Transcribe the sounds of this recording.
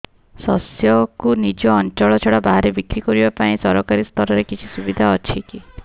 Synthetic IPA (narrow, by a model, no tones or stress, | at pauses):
sɔsjɔkunid͡ʒɔːnt͡ʃɔɭɔt͡ʃʰɔɽabaɦaɾebikɾikɔɾibapaĩsɔɾɔkaɾist̪ʰɔɾɔɾekit͡ʃʰisubid̪ʱaɔt͡ʃʰiki